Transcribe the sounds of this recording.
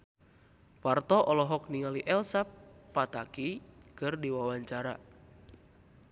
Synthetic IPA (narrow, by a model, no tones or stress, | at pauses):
fart̪ɔʔɔlɔɦɔkniŋaliʔɛlsapːat̪akikɨrdiwawaɲt͡ʃaɾa